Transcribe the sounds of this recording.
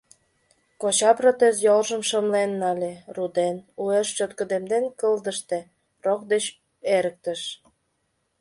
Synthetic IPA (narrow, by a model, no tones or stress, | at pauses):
kot͡ɕɑprot̪ezjolʒəmʃəmlenːɑlʲerud̪enueʃt͡ɕøt̪kə̆d̪emd̪enkəld̪əʃt̪e | rok̚d̪et͡ɕ | eɾək̚t̪ə̆ʃ